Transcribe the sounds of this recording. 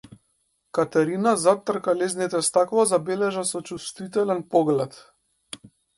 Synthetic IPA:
kat̪aɾinazat̪ːrkalɛznit̪ɛst̪akvˠazabɛlɛʒasɔt͡ʃust̪vit̪ɛlɛnpɔɡlɛt̪

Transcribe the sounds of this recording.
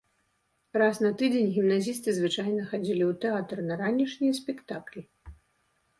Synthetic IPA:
rasnɐt̪ɨd͡zʲenʲɣʲimnazʲist̪ɨzvɨt͡ʂajnɐxad͡zʲilʲiwt̪ɛat̪rnɐɾanʲiʂnʲijɐsʲpʲɛkt̪aklʲi

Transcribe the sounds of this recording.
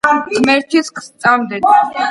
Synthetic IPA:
mɛɾt͡ʃʰiskʰst̪sʼamd̪ɛt̪ʰ

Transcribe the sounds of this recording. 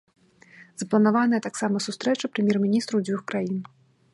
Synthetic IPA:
z̥ɐplˠɐnavanɐjɐt̪aksamɐsust̪ɾɛt͡ʂɐpɾɨmʲjɛrmʲinʲist̪ɾuwd͡zʲvʲuxkɾajin

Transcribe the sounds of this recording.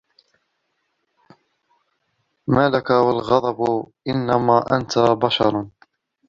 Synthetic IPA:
maːlakawalɣɑd̪ˤɑbʔɪnːamaːʔa̰nt̪abaʃɑɾˤ

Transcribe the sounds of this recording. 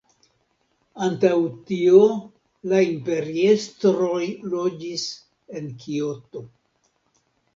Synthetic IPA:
antawtioo | laimpe̞ɾiestɾo̞jlo̞d͡ʒis | e̞nkʰio̞to̞

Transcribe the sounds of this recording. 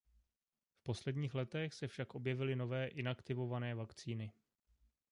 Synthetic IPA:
fpo̞slɛdɲiːxlɛt̪ɛxsɛfʃakʔo̞bjɛvɪlɪno̞vɛːʔɪnakt̪ɪvo̞vanɛːvakt͡siːnɪ

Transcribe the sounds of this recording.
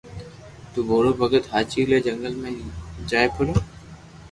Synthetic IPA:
t̪uːbʱoːɽoːbʱəɡət̪ɦaːt͡ʃiːleːd͡ʒəŋɡəlmẽːd͡ʒaːepʰʊloː

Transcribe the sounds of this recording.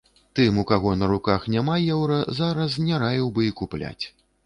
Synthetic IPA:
t̪ɨmukaɣɔnɐɾukaxnʲamajɛwɾɐzaɾɐsnʲaɾajʲiwbɨikuplʲa̰t͡sʲ

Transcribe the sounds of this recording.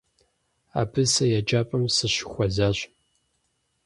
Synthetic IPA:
a̰ːbʰɨsɐjad͡ʒʼaːpʼɐmsɨɕɪxʷɔzaːɕ

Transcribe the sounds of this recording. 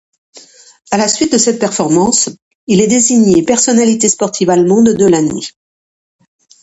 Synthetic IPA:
alasɥit̪̚d̪əsɛt̪̚pɛʁfɔʁmɑ̃s | ilɛd̪eziɲepɛʁsɔnalit̪espɔʁt̪ʰivalmɔ̃d̪ːəlanɥi

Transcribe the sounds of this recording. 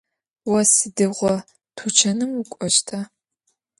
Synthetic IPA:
wɔsɨdɨʁʷɔ | tʰut͡ʃʰɐnɨmukʷʼɔʃtʰa

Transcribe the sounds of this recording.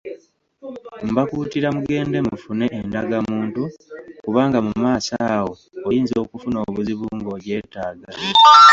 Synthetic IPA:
mbakuːtiɾamuɡe̞ːnde̞mufune̞ʔːndaɡamuːntukuβaːŋɡamumaːsawo̞ː | jiːnzo̞ːkufuno̞ːβuziβuːŋɡo̞ɟe̞ːtaːɡale

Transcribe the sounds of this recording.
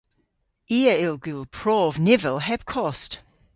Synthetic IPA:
iːəɪlˠɡʉlˠpʰɹ̥ɔːvnɪvəlˠɦɛb̥̚kʰɔst

